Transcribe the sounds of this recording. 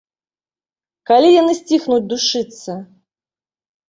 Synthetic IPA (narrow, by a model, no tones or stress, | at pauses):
kalʲijanɨsʲt͡sʲixnud͡zʲd̪uʂɨt̪sɐ